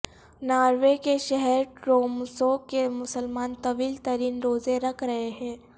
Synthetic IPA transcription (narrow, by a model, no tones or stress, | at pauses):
naːɾʋekeʃɛɦɛɾʈɾoːmsoːkemʊsəlmaːnt̪ɐʋiːlt̪ɐɾiːnɾoːzeɾɐkʰɾɐɦeɦɛ̃ː